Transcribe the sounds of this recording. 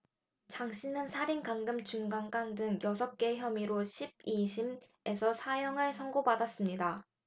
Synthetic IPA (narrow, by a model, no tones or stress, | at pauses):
t͡ɕaŋɕʰinɯnsʰaɾinkaŋɡɯmt͡ɕuŋɡaŋɡ͈aŋdɯŋjʌsʰʌk̚k͈e̞çjʌmiɾoɕʰib̚iɕʰim | e̞sʰʌsʰajʌŋɯɭsʰʌŋɡobadas͈ɯmɲida